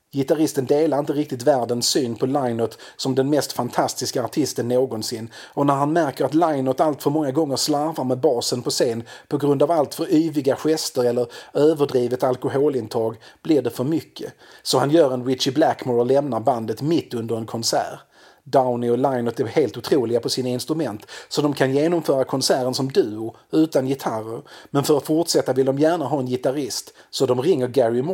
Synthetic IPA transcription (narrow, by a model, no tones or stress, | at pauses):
jɪt̪aɾɪst̪ənd̪eːlaɾɪnt̪əɾɪk̚t̪ɪt̪væːɾɖənsyːnpʰɔlaɪnɔt̪ | sɔmd̪ɛnmɛst̪fant̪ʰast̪ɪskaːʈʰɪst̪ənːoːɡɔnsɪnː | ɔnæɾɦhanmæɾkəɾat̪lajnɔt̪alt̪fœɾmɔŋːaɡɔŋːəɾslaɾvaɾmɛbɑːsənpʰɔseːnpʰɔɡɾɵnd̪avalt̪fœɾyːvɪɡaɧɛst̪əɾɛlːəɾøːvəɖɾiːvət̪alkʊɦoːlɪnt̪ʰɑːɡb̥lɪɖɛfœɾmʏkʰːə̰ | sɔhanjœːɾɛnwɪt̪t͡ʃɪblækmɔɾlːɛmnaɾband̪ət̪mɪt̪ːɵnd̪əɾɛnkʰɔnsæ̰ːɾ | d̪aʊnɪɔlaɪnɔt̪æɾheːlt̪ʊt̪ʰɾuːlɪɡapʰɔsɪnaɪnst̪ɾɵmɛnt̪sɔd̪ɔmkʰanjeːnɔmfœːɾakʰɔnsæːɾənsɔmd̪ʉ̟ːʊ | ʉ̟ːt̪anjɪt̪ʰaɾə̰ɾmɛnfœɾat̪fʊʈʂɛt̪ːavɪld̪ɔmjæːɳaɦɑːɛnjɪt̪aɾɪst̪sɔd̪ɔmɾɪŋːəɾɡæɾɪm